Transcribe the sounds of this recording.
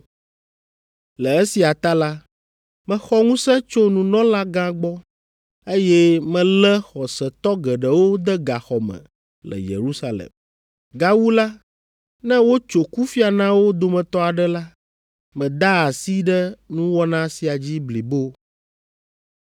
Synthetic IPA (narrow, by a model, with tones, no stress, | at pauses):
lɛ˨e˦si˨a˨t̪a˦la˦ | mɛ̃˨xɔ˦ŋũ˦sɛ̃˦t͡ʃo˦nũ˨nɔ̃˦la˦ɡã˦ɡ͡bɔ˦ | e˦jɛ˦mɛ̃˦lɛ˦xɔ˨sɛ˨t̪ɔ˦ɡɛ˨ɖə˨wo˦d̪ɛ˦ɡa˨xɔ˨mɛ̰̃˨ | lɛ̰˨jḛ˨ɾu˦sa˦lḛ˨m | ɡa˦wu˦la˦ | nɛ̃˦wo˦t͡ʃo˨ku˦fi˦a˨nã˦wo˦d̪o˨mɛ̃˨t̪ɔ˦a˨ɖɛ˦la˦ | mɛ̃˨d̪a˦a˨si˦ɖə˦nũ˦wɔ˦nã˦si˨a˨d͡ʑi˦bli˨bo˦